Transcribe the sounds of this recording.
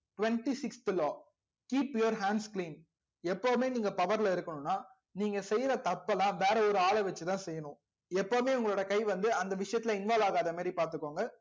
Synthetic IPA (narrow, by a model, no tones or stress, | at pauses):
ʈʊʋɛɳʈisɪksʈ̪ɯlɔː | kiːpjoɔɾɦaːɳɖskliːn | ɛpːoːmeːniːŋɡɐpɐʋɐɾlɐɪɾɯkːɐɳʊ̃nːaː | niːŋɡɐsɛjɾɐt̪ɐpːɐlãːʋeːɾɐɔɾɯaːɭɐʋɛt͡ʃːɯt̪ãːsɛjːɐnʊ̃ | ɛpːoːmeːʊŋɡɐɭoːɽɐjɐkɐɪʋɐnd̪ɯɐnd̪ɐʋɪʂɐjɐt̪ːɪlɐɪnʋaːlaːɣaːðɐmaːd̪ɾipaːɾt̪ɯkːoːŋɡɐ